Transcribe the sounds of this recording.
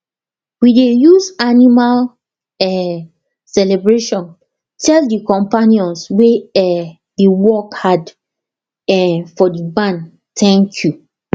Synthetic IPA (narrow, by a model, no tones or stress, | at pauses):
widejuzanimal | ɛ | sɛlebɹeʃɔ̃n | tʰɛldikɔ̃mpanijɔ̃nsweɛ | diwɔkhad | ɛfɔdibãn | tʰɛ̃ŋkʰju